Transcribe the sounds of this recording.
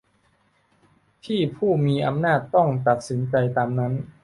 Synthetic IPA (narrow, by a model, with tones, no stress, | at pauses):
t̪ʰiː˥˩pʰuː˥˩miː˧ʔa˧mnaː˥˩t̪ːɔ˥˩ŋt̪a˨˩t̪̚si˩˦nt͡ɕa˧jt̪aː˧mna˦˥n